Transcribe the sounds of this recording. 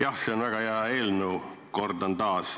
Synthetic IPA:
jɑhseonvæɡ̥ɑjæe̞ːlnuwko̞rd̪ont̪ɑːs

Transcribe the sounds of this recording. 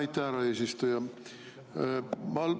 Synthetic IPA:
it̪ːæːɾɑeːsist̪ojɑ | mɑl

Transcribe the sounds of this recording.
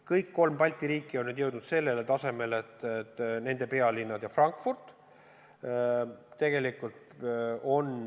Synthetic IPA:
kɤjkːo̞lmpɑlʲt̪ʲiɾiːkˑːio̞nːyd̪jewd̪nud̪se̞lːe̞let̪ɑse̞me̞let̪ːet̪ːne̞nd̪e̞pe̞ɑlinːɑd̪jɑfrɑŋkfurt̪ | t̪e̞ɡ̥e̞likult̪ | o̞n

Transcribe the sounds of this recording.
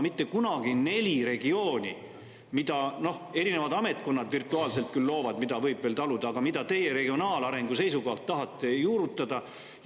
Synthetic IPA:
mit̪ːe̞kunɑɡ̥ine̞lʲiɾe̞ɡio̞ːnʲḭ | mid̪̥ɑno̞he̞ɾine̞vɑd̪ɑme̞t̪̚ˑko̞nːɑd̪virt̪ːˑuɑːlselt̪̚kylːo̞ːvɑd̪mid̪̥ɑvɤjb̥velt̪ɑlud̪̥ɑːɡ̥ɑmid̪̥ɑt̪e̞je̞ɾe̞ɡ̥io̞nɑːlɑɾe̞ŋɡ̥use̞js̬uko̞hɑlt̪ːɑɦɑt̪ːˑe̞juːɾut̪ˑːɑd̪̥ɑ

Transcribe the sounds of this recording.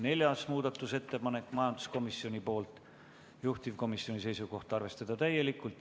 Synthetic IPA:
ne̞lʲjɑsmuːd̪ɑt̪ːˑuse̞t̪ːe̞pɑne̞kːˑmɑjɑnd̪̥u̥sko̞misːio̞nʲipo̞ːlt̪ˑ | juht̪iv̥ko̞misjio̞nʲise̞jsuɡo̞ht̪ɑrve̞st̪ɑd̪̥ɑt̪æjːe̞likːˑult̪

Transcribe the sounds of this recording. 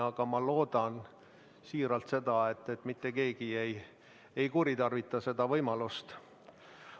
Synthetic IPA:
ɑɡ̥ɑmɑlo̞ːd̪̥ɑn | siːɾɑlt̪se̞d̪ɑe̞t̪ːˑe̞t̪ːˑmit̪ːe̞ke̞ːɡie̞j | ejkuɾit̪ɑrvit̪ːˑɑse̞d̪̥ɑvɤjmɑlust̪

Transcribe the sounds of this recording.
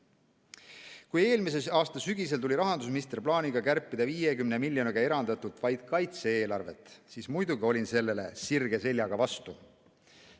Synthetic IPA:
kuje̞ːlmis̬e̞sɑːst̪ɑsyɡ̥ise̞lt̪uliɾɑɦɑnd̪us̬minist̪erplɑːniɡ̥ɑkærpˑːid̪̥ɑviːjekymnemilʲːjo̞niɡɑe̞ɾɑnd̪̥ɑt̪ːˑut̪ːˑvɑjd̪̥kɑjt̪seeːlɑrve̞̰t̪ːˑsiːsmujd̪uɡio̞lʲinse̞lːe̞le̞̰sirɡ̥e̞se̞lʲjɑɡ̥ɑvɑst̪u

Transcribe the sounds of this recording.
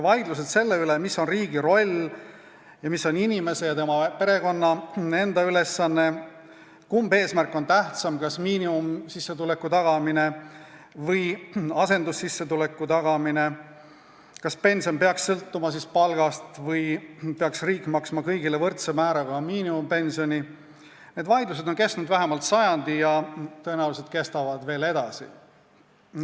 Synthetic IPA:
vɑjd̪lus̬e̞d̪̥se̞lːe̞ylemisːo̞nriːɡ̥iɾo̞lʲː | jɑmisːo̞ninime̞se̞jɑt̪e̞mɑpe̞ɾe̞ko̞nːɑe̞nd̪̥ɑyle̞sːɑnːe̞ | kumbe̞ːsmærkːˑo̞nt̪æht̪sɑmkɑsmiːniumsisːe̞t̪ule̞kːˑut̪ɑɡ̥ɑmine | vɤjɑse̞nd̪̥usːisːe̞t̪ulekːˑut̪ɑɡ̥ɑmine | kɑspe̞nʲsionpe̞ɑksːɤlt̪ːumɑs̬ispɑlɡ̥ɑst̪vɤjpe̞ɑksriːkːˑmɑksmɑkɤjɡ̥ile̞vɤrt̪semæːɾɑɡ̥ɑmiːnimumpe̞nsio̞ni | ne̞d̪vɑjd̪luse̞d̪o̞nke̞st̪nud̪væɦe̞mɑlt̪sɑjɑnd̪ijɑt̪ɤe̞næuwlise̞d̪̥̚ke̞st̪ɑvɑd̪̥ve̞ːle̞d̪̥ɑsḭ

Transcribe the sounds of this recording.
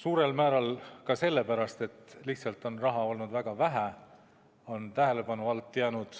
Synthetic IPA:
suːɾe̞lmæːɾɑlkɑse̞lːe̞pæɾɑst̪e̞t̪ːliht̪sɑlt̪ːˑo̞nrɑɦɑo̞lnud̪̥væɡ̥ɑvæɦæ | o̞nt̪æɦele̞pɑnuɑlt̪ːjɑːnud̪̥

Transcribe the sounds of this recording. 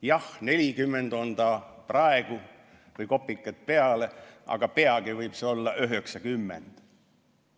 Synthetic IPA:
jɑhne̞lʲikymːend̪o̞nd̪ɑprɑe̞ɡ̥u | vɯjko̞pːˑikːˑɑt̪̚pe̞ɑleʔɑ̰ɡ̥ɑpe̞ɑɡ̥ivɤjb̥seo̞lːɑʔøɦeksɑkymːḛnd̪̥

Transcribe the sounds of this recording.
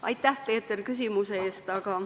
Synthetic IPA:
ɑ̰jt̪ːˑæhpe̞ːt̪ˑerkys̬imuse̞eːst̪ɑɡ̥ɑ

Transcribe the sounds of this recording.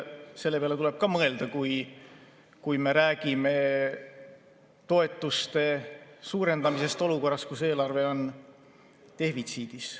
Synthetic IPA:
selːe̞peɑle̞t̪ule̞b̥̚kɑmɤ̞e̞ld̪̥ɑkuj | kujme̞ɾæːɡ̥ime̞ | t̪o̞e̞t̪ːˑust̪e̞suːɾe̞nd̪̥ɑmise̞st̪o̞luko̞rːɑskuse̞ːlɑrve̞o̞n | t̪e̞hvit̪siːd̪̥is

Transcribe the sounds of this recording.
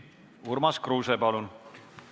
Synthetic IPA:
urmɑskruːsepɑlun

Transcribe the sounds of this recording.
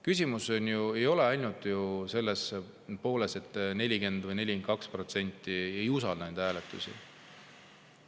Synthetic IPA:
kysʲimuso̞nʲjue̞jo̞le̞ɑjnut̪ˑjuse̞lːes | po̞ːle̞se̞t̪ːˑne̞lʲike̞nd̪̥vɯjne̞lʲikenkɑkspro̞t̪se̞nʲt̪ːˑiejusɑlnɑnd̪̥hæːlet̪ːˑusḭ

